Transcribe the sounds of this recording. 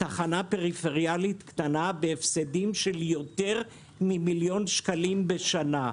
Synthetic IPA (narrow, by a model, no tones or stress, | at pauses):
taχanape̞ʁifeʁjalit̪kt̪anabeefsedimʃe̞ljo̞t̪e̞ʁ | mimiljo̞nʃkalimbeʃana